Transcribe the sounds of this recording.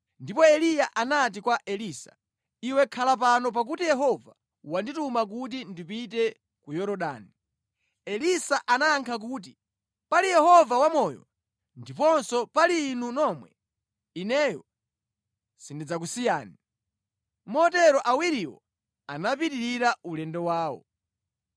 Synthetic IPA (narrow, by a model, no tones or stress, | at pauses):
ndipɔɛlijaʔanat̬ikwaʔɛlisa̰ | iwɛkʰalap̬anɔp̬ak̬utijɛɦɔva̰ | wanditumak̬ut̬indipitɛ | kujɔɾɔɗa̰ːni | ɛlisaʔanaŋkʰak̬uːt̬i | palijɛhɔvawamɔjɔ̰ | ndipɔnsɔpaliːnunɔmwɛ̰ | inɛjɔ | sindid͡zak̬usijaːni | mɔtɛɾɔʔawiɾiwɔ̰ | anapitiɾiɾaulɛndɛwaːwɔ̰